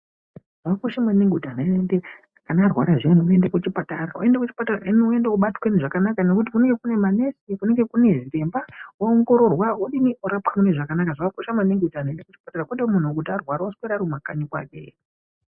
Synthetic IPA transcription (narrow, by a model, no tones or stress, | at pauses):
ʐ̥akakoʃamaneŋɡutanaende | kanaːrwa̰ɾaʐeniuendekut͡ʃipataɾaṵe̞ndekut͡ʃi̥pataraeniue̞ndeuɓatweniʐakanakanokut̬ikuneŋɡe̞kune̞maneskune̞ŋɡe̞kune̞ʐire̞mbawaoŋɡo̞ɾo̞rwaɦoɗiniuɾapamuneʐakanakaʐakakoʃamaneŋɡutan̤aendekut͡ʃi̥pataɾakweɗemun̤uokutarwaɾaoskweɾaɾumakaɲikwa̰ːkḛ